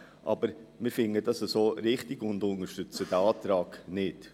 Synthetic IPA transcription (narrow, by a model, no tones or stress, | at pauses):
ʔɑ̰bəɾmɪɾfɪŋəd̥ɑsəsoːɾɪχtɪɡ̥ʊndʊnəɾʃtʏt͡səd̥æɑːtɾɑːɡ̥nɪd